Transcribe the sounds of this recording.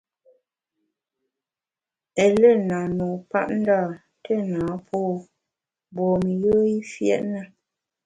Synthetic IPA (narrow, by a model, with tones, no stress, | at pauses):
ɛ˨lɛ˦˨na˨nɔ˨pa̰˦ʔ̚n̩˦da˦˨ | tʰɛ˦˨naː˨˦pʰɔː˦˨ | bɔː˨mi˨jə˦i˦fjɛ̰˦˨ʔna˦˨